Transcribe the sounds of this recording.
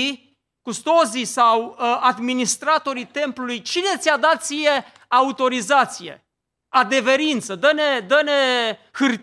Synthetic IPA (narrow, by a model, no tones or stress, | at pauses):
i | kust̪o̞zisawad̪minist̪ɾat̪o̞ɾit̪e̞mplulujt͡ʃine̞t̪sʲad̪at̪̚sije̞ | aut̪o̞ɾizat̪sije̞̰ | ad̪e̞ve̞ɾint̪səd̪əne̞d̪əne | hɨr